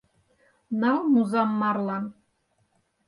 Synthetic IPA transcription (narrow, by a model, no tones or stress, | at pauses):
nɑlˠmuzɑmːɑrlˠɑn